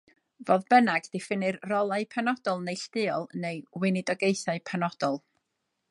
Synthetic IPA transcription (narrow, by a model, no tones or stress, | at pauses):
voːðbənaɡd̥ɪfɪnɨrrɔlˠaɨpʰanɔdɔlˠnejɬd̥ɨːɔlˠnejwɪnɪdɔɡejθaɨpʰanɔd̥ɔlˠ